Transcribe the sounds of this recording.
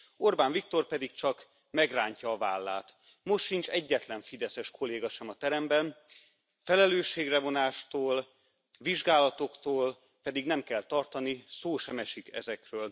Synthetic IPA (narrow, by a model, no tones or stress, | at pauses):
orbaːɱvik̚t̪o̞rpɛd̪ik̚t͡ʃɒk | mɛɡraːɲcɒːvaːlːaːt̪ | mo̞ʃtʃint͡ʃɛɟːɛt̪lɛɱfid̪ɛsɛʃkʰo̞leːɡɒʃɛmɒt̪ɛɾɛmbɛn | fɛlɛløːʃːeːɡrɛvo̞naːʃt̪oːl | viʒɡaːlɒt̪o̞kt̪oːl | pɛd̪iɡnɛmkɛlt̪ɒrt̪ɒnisoːʃɛmɛʃikɛ̰zɛkrøːl